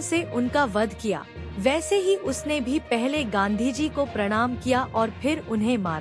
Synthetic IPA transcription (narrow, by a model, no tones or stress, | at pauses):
seʔʊnkaʋɐd̪ʱkija̰ːʋɛːseɦiʔʊsnebʱipɛɦleɡãːnd̪ʱid͡ʒikopɾɐɽ̃aːmkijaʔɔːɾpʰɪɾʊnɦẽma̰ːɾ